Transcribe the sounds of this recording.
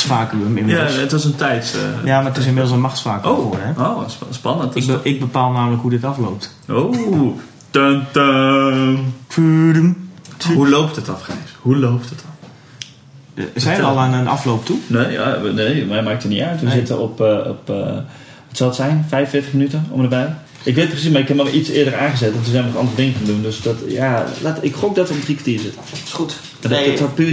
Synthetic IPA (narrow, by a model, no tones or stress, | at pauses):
sfaːkyəmɪnmɪlˠətʋɔsəntɛjtjamaətɪs̬ɪnmɪdl̩ˠsənmaxtsfaːkooərɦɛowsspɑnəntɪɡ̚bəpaːlˠnaːmələkɦudɪtɑflowp̚t | ʔo | təntə | pʰydəmhulowp̚tətɑfχeshulowp̚tətɔ | sɛjəɔlˠannɑ̰flowptuneːa̰neːmɛjmaːk̚təniœɥtʋəzɪtəɔpɔ̰p | ətsɔlˠətsɛjnfɛjvənfɪtəχxmənytəɔ̰mdəbɛj | ɪkʋet̚prəsismarɪkhɛpmɔʋitsɪədəraːɣəzɛtɔntəsɛmənɔχɑ̰ndərədɪŋəkəndundøsdɔtjalatɪkχok̚dɔtʋəɔmdrikatiːzɪtəut | ɛdtɔpy